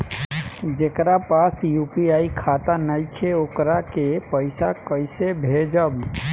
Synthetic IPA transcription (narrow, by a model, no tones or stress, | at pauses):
d͡ʒekɾapasjupiaikʰat̪anəjkʰeokɾakepəɪsakəɪsebʱed͡ʒəb